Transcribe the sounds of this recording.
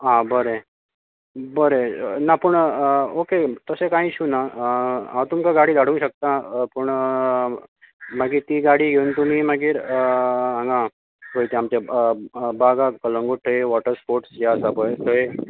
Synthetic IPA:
ɦãbəɾe | bəɾenapəɳoket̪əsekãiːɕuna | awt̪umkaɡaɽiːd̪aɽũːŋkɕək̚t̪apəɳ | maɡiːɾt̪iːɡaɽ̤iːɡʱeuːnt̪umiːməɡiːɾ | ãŋɡã | ɦojt̪eamt͡ɕe | baɡakələ̃ŋɡuʈʰəeʋɔʈəɾspoɾʈsjaəsapəjt̪ʰəe

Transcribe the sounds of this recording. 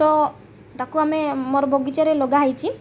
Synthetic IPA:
ɔ | t̪akuamemɔɾbʱoɡit͡ʃɔɾeloɡaɦajt͡ʃʰi

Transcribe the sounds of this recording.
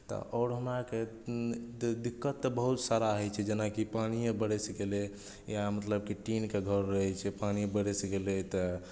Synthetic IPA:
t̪ɔ̰ʔɔːɾɦəmɾake | d̪ikːət̪ːbəɦut̪saɾaɦəjt͡ʃʰɛd͡ʒenakipaniebəɽɛskele | jamət̪ləb̚keʈinkeɡʱəɾːəɦɛt͡ʃʰɛpanibəɽɛsɡelɛt̪ɔ

